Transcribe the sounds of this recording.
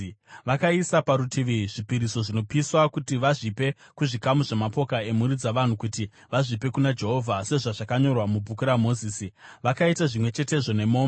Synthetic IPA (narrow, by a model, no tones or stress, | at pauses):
ʋakaisapaɾutʰiʋiʐipiɾiso̞ʐino̞piswakutiʋaʐipe̞ | kuʐikamuʐe̞mapo̞kae̞muɾid͡zaʋan̤ukuti | ʋaʐipe̞kunad͡ʒe̞ɦo̞vʱase̞ʐaʐakaɲo̞rwamub͡vʱukuɾamoziːsiʋakaitaʐimwe̞t͡ʃe̞te̞ʐo̞ne̞moːm